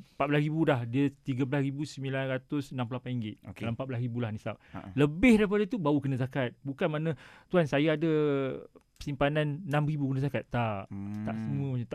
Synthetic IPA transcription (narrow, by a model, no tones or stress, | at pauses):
pat̪̚bəlasɾibulahdiət̪iɡəblasɾibusəmilanɾat̪ʊsənãmpulolapaniŋɡɪt̪̚dalampat̪̚blasɾibulahnisap̚ləbɪhdaipadat̪ubaukənazakat̪̚bukanmanãt̪uansajaːda | pə̥simpanannãmribukənazakat̪ːaʔt̪a̰ʔsəmũəmat̪a